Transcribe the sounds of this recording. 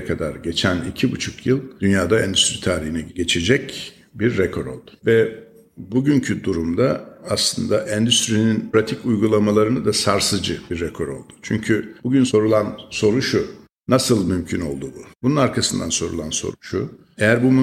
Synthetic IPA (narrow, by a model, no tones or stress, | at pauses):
kʰad̪aɾɟe̞t͡ʃʰænḭcʰibut͡ʃʰu̥kʰjɯlˠd̪ynjaːd̪aɛnd̪yst̪ɾit̪ʰaːɾihinɛɟe̞t͡ʃʰe̞d͡ʒɛc | biɾːɛkʰo̞ɾo̞̰lˠd̪̥ʊ̥vɛ | buɟyɲcʰyd̪uɾumd̪aːslˠɯnd̪aʔɛnd̪yst̪ɾininpɾat̪ʰicujɡulˠamalˠaɾɯnad̪asaɾsɯzd͡ʒɯbiɾːɛkʰo̞ɾo̞̰lˠd̪u̥t͡ʃʰyɲcʰybuɟynso̞ɾulˠanso̞ɾuʃu | nasɯlˠmymcʰyno̞̰lˠd̪ububununaɾkʰasɯnd̪a̰nso̞ɾṵlˠanso̰ɾuʃu | ejæɾbum